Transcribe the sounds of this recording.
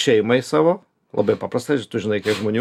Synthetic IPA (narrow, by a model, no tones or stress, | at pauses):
ʃʲɛɪmɐɪsɑːʋoː | lˠɐ̰bɐɪpɑpɾɐst̪ɐɪt̪ʊʒʲɪnɐɪkʲiɛʒmoːnʲu